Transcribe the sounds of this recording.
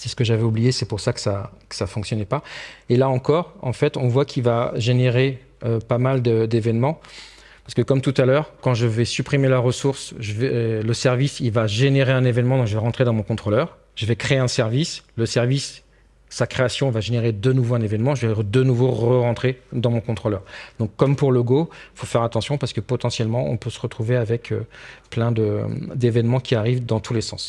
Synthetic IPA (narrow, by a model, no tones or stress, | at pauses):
sɛsə̥kəʒavɛublijesɛpuʁsakə̥sakə̥safɔ̃ŋksjɔnɛpaelaɑ̃kɔʁɑ̰̃fɛt̪ɔ̃vwakʲʰilvaʒeneʁe | øpamald̪əd̪evɛnmɑ̃ | paʁsəkəkɔmt̪ut̪alœʁkɑ̃ʒəvɛsypχimelaʁəsuʁsʒəvɛləsɛʁvisilvaʒeneʁeɛ̃nevɛnmɑ̃d̪ɔ̃kʒəvɛʁɑ̃t̪χed̪ɑ̃mɔ̃kɔ̃t̪χolœːʁ | ʒ̥əvɛkχeeɛ̃sɛʁvisləsɛʁvisː | akχeasjɔ̃vaʒeneʁed̪ənuvoɛ̃nevɛnmɑ̃ʒəvɛʁd̪ənuvoʁəʁɑ̃t̪χed̪ɑ̃mɔ̃kɔ̃t̪χolœːʁd̪ɔ̃kːɔmpuʁloɡoifofɛʁat̪ɑ̃sjɔ̃paʁsə̥kəpɔt̪ɑ̃sjɛlmɑ̃ɔ̰̃pøsə̥ʁət̪χuveavɛkʰø̰plɛ̃d̪əd̪evɛnmɑ̃kʲiaʁivd̪ɑ̃t̪ʰulesɑ̃s